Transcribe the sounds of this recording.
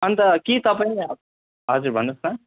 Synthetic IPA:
ʌnt̪ʌkit̪ʌpaĩneab̚ | ɦʌzuɾbʱʌnusna

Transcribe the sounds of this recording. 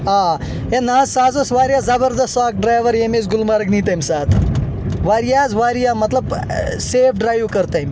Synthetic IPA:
aː | enaːzsaːzɐsʋaːɾijaːzɐbəɾd̪ɐstaːk̚ɖɾaːjʋɐɾjemezɡʊlmaɾɡniːt̪ɐmʲsaːt̪ʰʋaːɾijaːzʋaːɾijaːmɐt̪lɐb | seːfʰɖɾaːjʋkɐɾt̪aimʲ

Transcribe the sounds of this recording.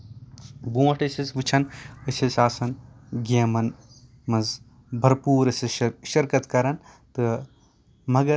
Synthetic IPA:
bũːʋɐʈɐsɐsʋɨt͡ʃʰɐnɐsʰɐsʲaːsɐnɡʲeːmɐn | mɐz | bʱɐɾpuːɾɐsɐʃɐɾkɐt̪kɐɾɐnt̪ɨ | mɐɡɐ

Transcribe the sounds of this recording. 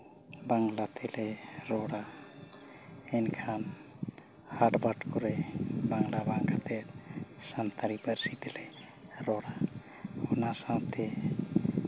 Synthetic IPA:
baŋɡlat̪ʰeleɾɔɽa | enkʰan | haɖbaʈkɔɾebaŋɡlabaŋɡat̪eɾsant̪ʰaɾipəɾsit̪ele | ɾɔɽa | unasãt̪ʰe

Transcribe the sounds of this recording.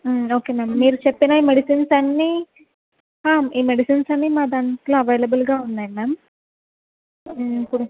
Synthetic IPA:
oːke̞ːmeːmːiːɾut͡ʃepːinaːiːmeɽisinsɐnːiː | ɦaːmiːmeɽisinsɐnːiːmaːd̪aɳʈloːɐʋeːlɐbulɡaːunːaːjimeːm | pːuɽu

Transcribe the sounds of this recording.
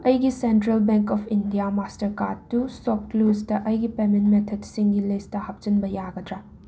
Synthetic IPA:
ɐjɡisentɾɐlbeŋkɔpʰindijamastɐɾkatːusɔp̚klustɐʔɐjɡipementmetʰedsiŋɡilistɐhɐp̚t͡ʃɐnbɐjaɡɐdɾɐ

